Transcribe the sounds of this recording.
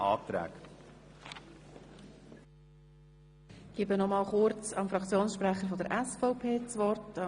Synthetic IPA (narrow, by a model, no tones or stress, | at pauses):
ɑːt̪ɾæ̰ːk | ɡ̥ibənɔmɑːlχʊɾt͡sɑmfɾɑkt͡sjoːnsʃpɾæχəɾfɔdəɾʔæsfɔʊpʰeːt͡sʋɔrtɑ